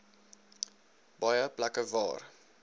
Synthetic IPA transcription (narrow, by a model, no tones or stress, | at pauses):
b̥ɑjəplɐkəvɑ̰ːr